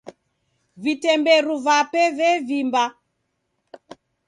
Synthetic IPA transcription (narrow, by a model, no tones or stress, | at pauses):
vitɛmbɛɾuvapɛvɛvimba